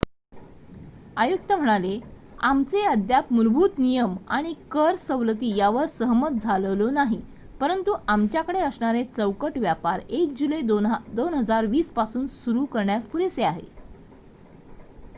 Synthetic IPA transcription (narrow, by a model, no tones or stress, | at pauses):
ajuk̚t̪əm̤əɽ̃ale | amt͡seəd̪japmulbʱuːt̪nijəma̰ɽ̃ikəɾsəʋlət̪̬iːjaʋəɾsəɦmət̪̚d͡zʱaləʋlonaɦi | pəɾənt̪uʔamt͡ɕjakəɽeəsɳaɾet͡səwkəʈʋjapaɾek̚d͡ʑuled̪onɦəd͡zaɾʋiːspasuːnsuɾukəɾɳjaspuɾeseaɦḛ